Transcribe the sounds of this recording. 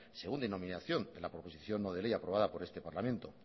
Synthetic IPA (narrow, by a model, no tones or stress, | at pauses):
se̞ɣund̪eno̞mĩnaθjo̞nd̪e̞lapɾopo̞siθjonːoð̞e̞lejapɾo̞βaðapo̞ɾe̞st̪e̞paɾlamẽnt̪o̞